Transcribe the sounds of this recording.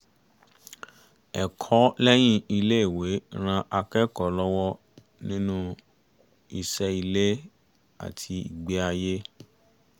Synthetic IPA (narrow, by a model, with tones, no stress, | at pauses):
ɛ˨kʰɔ˨˦lɛ˦j̃ĩ˦i˧le˦i˦˨we˨˦ɾ̃ã˧ʔa˧kɛ˦kɔ˨˦lɔ˦wɔ˦ | nĩ˦nũ˦ | i˧ʃɛ˦i˧le˦ | a̰˨tʰi˧ḭ˨ɡ͡be˨˦a˧je˦